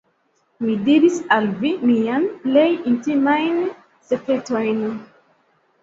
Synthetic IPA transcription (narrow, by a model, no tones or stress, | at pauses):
midiɾisalvimianple̞jintimajn | sekɾetojn